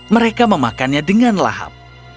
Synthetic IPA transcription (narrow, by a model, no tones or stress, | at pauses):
məɾekaməmakanɲadəŋanla̰ha̰p̚